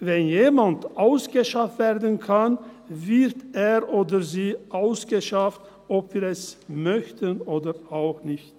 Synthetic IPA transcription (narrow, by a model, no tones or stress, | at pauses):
vɛnjeːmantʔaʊsɡ̥əʃaftv̥ɛːɐdən̩kʰan | vɪʁteːʁʔoːdəziːʔaʊsɡ̥əʃaft | ʔɔpv̥iːʁɛsmœçtənoːdəaʊxnɪçt